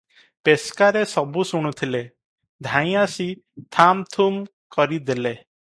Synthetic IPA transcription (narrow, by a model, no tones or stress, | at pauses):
peskaɾesɔbusuɽ̃ut̪ʰile | d̪ʱãĩasit̪ʰamt̪ʰum | kɔɾid̪ele